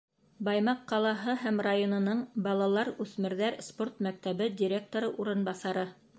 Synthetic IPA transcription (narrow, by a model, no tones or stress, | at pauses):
bɑjmɑqːɑlˠɑɦɤɦæmrajonɤ̆nɤɴbɑlˠɑlˠɑɾʉθmɘ̆ɾðæɾsport̪mæk̚t̪æβɘdʲiɾʲek̚t̪oɾɤʔuɾɤ̆nbɑsɑɾɤ